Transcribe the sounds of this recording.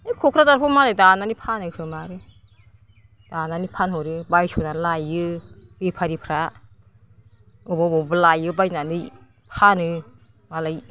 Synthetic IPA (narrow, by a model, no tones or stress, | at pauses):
ajkʰɔkʰɾadaɾpʰɔmalajdananipʰanɯkʰɯmaɾɯ | d̥ananipʰanhɔɾɯbajsɔnanlajɯb̥epʰaɾipʰɾa | ɯbɔbɔbɯlajɯbajnanɯj | pʰanɯ | malaj